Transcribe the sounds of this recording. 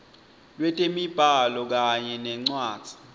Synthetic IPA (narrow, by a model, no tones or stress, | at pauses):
lwɛtʼemib̥ʱalɔk̬aɲɛnɛŋ͡ǀwaːd̥z̥ʱi̥